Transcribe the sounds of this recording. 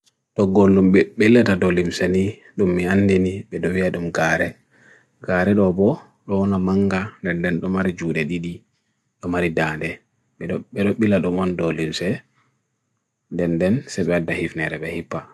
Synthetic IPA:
tɔɡolːumɓɛɓelːɛtadɔlimsɛni | ɗumːianːdeniɓɛɗɔwiaɗumɡaːɾɛ | ɡaɾɛɗɔbɔ | ɗɔwɔnamaŋɡandɛndɛnɗɔmaɾid͡ʒuːɗɛɗiɗi | ɗɔmaɾidandɛ | ɓɛɗɓɛɗɔɓilaɗɔmɔndɔlimsɛ | ndɛndɛnsaɓɛadːahifnɛɾɛɓɛhipːa

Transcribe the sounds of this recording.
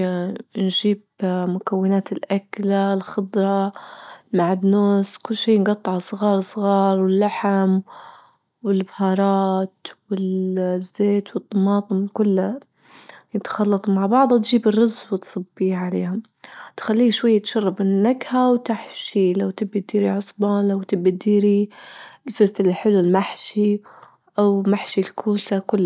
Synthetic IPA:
nʒiːbmʊkawːɪnaːt̪ɪlʔaklalxɪd̪ˤɾˤɑ | maʕɪd̪noːskʊlːʃiːnɡɑt̪ˤːʕalsˤɣɑːɾˤsˤɣɑːɾˤwɪlːaħam | wɪlbhɑːɾˤɑːt̪wɪlzːeːt̪wɨt̪ˤːɑmɑːt̪ˤɨmkʊlːa | jɪt̪xɑlːɑt̪ˤmaʕbɑʕd̪ˤwt̪ʒiːbɪrːʊzwɪt̪sˤɨbːiːʕalḛːhʊm | t̪xalːiːʃwajːat̪ʃɑrˤːɑbɪnːaɡhawt̪aħʃilawt̪ɪbːat̪̚d̪iːɾiʕʊsˤbɑlawt̪ɪbːad̪iːɾi | sɪfɪllħɪlulmaħʃi | ʔawmaħʃilkʰuːsakʊlː

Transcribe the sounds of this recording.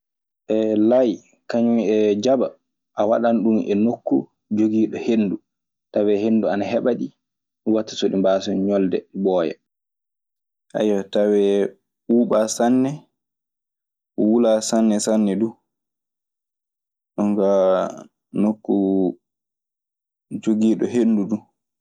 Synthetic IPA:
ʔɛlaj | kaɲumɛd͡ʒaba | ʔawaɗanɗumɛ̰nokːu | d͡ʒoɡiːɗɔhenːdu | tawɛɦenːduanaɦɛɓaɗi | watːḁsoɗimbaːsɔɲɔldɛ̰bɔːja̰ | ʔa̰jwatawɛ | uːɓasanːɛ | ɔwulasanːɛsanːɛdu | ɗɔŋɡa | nokːu | d͡ʒoɡiːɗɔɦenːdudu

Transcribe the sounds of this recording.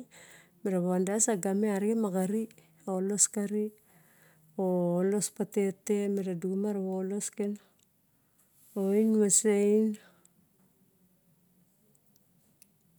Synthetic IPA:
meɾaβaandasaɡameaɾkemakaɾi | olo̞skaɾi | oːlo̞spate̞temeɾadumaɾaβolo̞sken | oinmesejn

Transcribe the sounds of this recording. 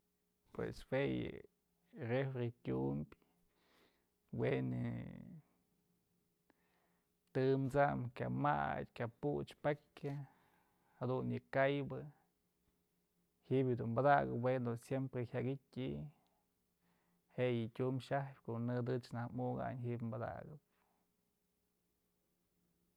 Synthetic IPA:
pwḛswejɨ̰ | refɾetʲumbʲ | wenɨ̰ | t̪ɨmt͡samkʲa̰ma̰t̪ʲkʲaput͡ʃpakʲa | had̪unjɨkajbɨ | hiʔbʲjd̪unmbad̪aɡɨpwend̪osjempɾehʲjaɡitʲiʔ | heʔjɨtʲumʃahpʲkoʔnɨd̪ɨt͡ʃnahmuɡa̰ɲɦiʔbʲmbad̪a̰ɡɨp̚

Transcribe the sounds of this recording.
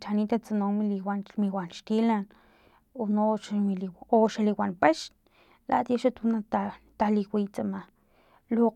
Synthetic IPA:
t͡ʃanit̪at͡sanomiliwanmiwʷanʃt̪ilan | onoʃamilioʃaliwanpeʃ | lʔa̰ʔt̪jaʃat̪unaat̪aliwʷit͡sama | lo

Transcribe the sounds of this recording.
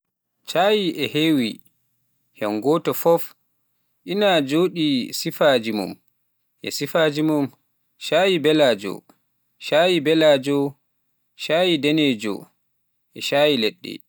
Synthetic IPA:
t͡ʃaːjiʔɛhewi | hɛŋɡɔtɔfɔf | ʔinad͡ʒoːɗisifad͡ʒimṵm | ʔɛ̰sifad͡ʒimum | ʃaːjibɛlad͡ʒɔ̰ | ʃajibɛlad͡ʒɔ | ʃaːjidɛned͡ʒɔ̰ | ʔɛʃajileɗːɛ̰

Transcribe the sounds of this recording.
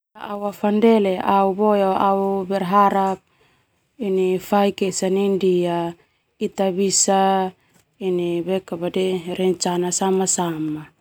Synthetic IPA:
aawafandɛleaubojaaubɛrɦaɾap̚ | inifaikesanindia | it̪aβisa | inibekabadeɾɛɲt͡ʃanasamasama

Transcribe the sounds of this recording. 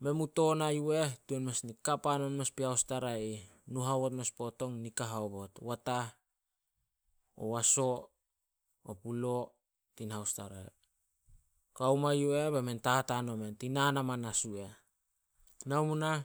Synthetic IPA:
me̞muto̞najue̞tuenmesnikapano̞nme̞spihawstaɾai | nuɦaβotmespo̞to̞ŋnikaɦaobo̞twata | o̰waso̞ | o̰pulo̞ | tinhawstaɾae | kawmajue̞bementahatano̞me̞ntinanamanasue̞ | nawmuna

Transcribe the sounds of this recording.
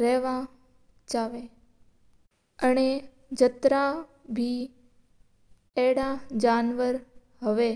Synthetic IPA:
ɾɛʋã | d͡ʒaʋe | əne | d͡ʒət̪ɾa | bʱi | ɛɽad͡ʒanʋəɾ | ɦəʋe

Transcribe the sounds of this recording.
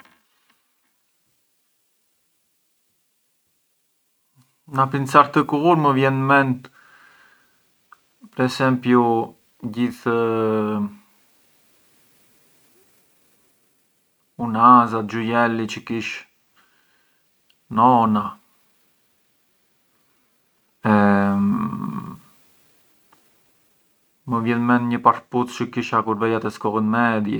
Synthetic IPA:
napint͡saɾt̪əkuuɾməvjɛnmɛnt̪ | pɾɛsɛmpju | ɟiθ | unazat̪̚d͡ʒujɛlit͡ʃəkiʃ | nɔna | ɛ | məvjɛðmɛnɲəpaɾput̪t͡ʃəkiʃakuɾvɛjat̪ɛskɔɣənmɛd̪jɛ

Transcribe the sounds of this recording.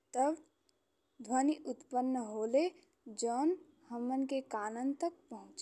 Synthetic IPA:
t̪əb | d̪ʱwəniʔʊt̪pənːəɦoːle | d͡ʒoːn | həmːənkekaːnənt̪ək̚pəɦʊ̃t͡ʃ

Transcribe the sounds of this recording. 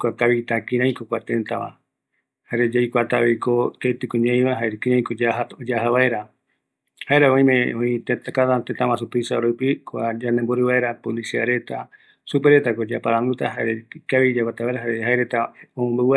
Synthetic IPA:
kʷakaβit̪akĩɾ̃ãj̃kokʷat̪ẽ̞nt̪aβã̰ | haɾed͡ʒajkʷat̪aβekot̪et̪ɨkõɲẽĩβaɦaeɾekĩɾãj̃kod͡ʒaɦaod͡ʒaɦaβaeɾa | haeɾaõĩmẽõĩt̪et̪akat̪ant̪et̪ãβãsupisaɾupikʷad͡ʒanemboɾɨβaeɾapolisia̰ɾe̞t̪a | supeɾe̞t̪akod͡ʒapaɾãnd̪ut̪aɦaɾekaβid͡ʒakʷat̪aβaeɾaɦaɾehaeɾet̪aomõmbɨwa

